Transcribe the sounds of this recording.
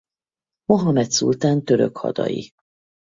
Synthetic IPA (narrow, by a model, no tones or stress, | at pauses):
mo̞ɦɒmɛt̪sult̪aːnt̪øɾø̰khɒ̰d̪ɒ̰jḭ